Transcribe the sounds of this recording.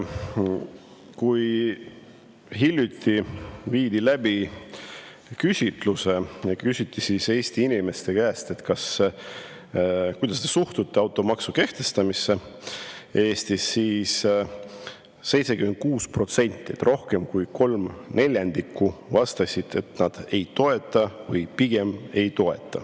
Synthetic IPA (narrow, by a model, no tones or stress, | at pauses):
kuj | ɦilʲjut̪ʰːiviːd̪ilæb̥i | kysʲit̪ˑluse̞jɑkysʲit̪ːisise̞ːst̪iinime̞st̪e̞kæːst̪e̞t̪kɑs | kujd̪̥ɑs̬t̪esuht̪ut̪ːeɑwt̪ːˑo̞mɑksuke̞ht̪e̞st̪ɑmise̞ | e̞ːst̪isːiːs | se̞jt̪se̞kymend̪̚kuːspro̞t̪se̞nʲt̪ːˑiet̪ːrʔo̞hke̞mkujko̞lmne̞lʲjɑnd̪̥ikʰːˑuvɑst̪ɑsʲid̪̥e̞t̪nɑd̪̥e̞jt̪o̞e̞t̪ːˑɑvɤ̰jpiɡ̥e̞me̞jt̪o̞e̞̰t̪ˑːɑ̰